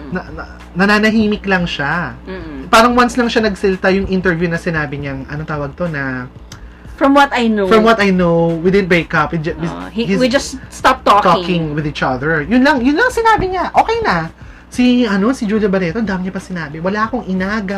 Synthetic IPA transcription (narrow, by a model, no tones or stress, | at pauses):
nɐɐ | nɐnaːnɐɦiːmɪklɐŋʃa | paːɾɐŋwanslɐŋʃanɐɡsɐlɪt̪ajʊŋʔɪnt̪ɛɹvjunɐsɪnaːbɪɲɐŋʔɐ̰not̪aːwɐɡ̚t̪o̞nɐ | fɹɔmwɐt̪ajnofɹɐmwɐt̪ɐjnowwid̪ɪd̪̚bekɐpwid͡ʒɐwiwid͡ʒɐssst̪ap̚t̪okt̪okɪ̃ŋwɪðiːt͡ʃɐðɛɹjʊnlɐŋjʊnlɐŋsɪnaːbɪɲaʔo̞ːkɛjnɐ | siʔɐno̞sɪd͡ʒuljɐbɐɾɛːt̪oɐnd̪aːmɪɲɐpɐsɪnaːbɪwɐlaɐkoŋɪnaːɡɐ